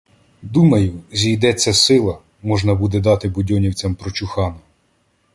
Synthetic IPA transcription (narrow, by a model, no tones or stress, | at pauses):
d̪umɐjʊzʲijd̪ɛt͡sʲːɐsɪlˠɐ | mɔʒnɐbud̪ɛd̪ɑt̪ɪbʊdʲɔnʲiwt͡sʲɐmpɾɔt͡ʃʊxɑnɐ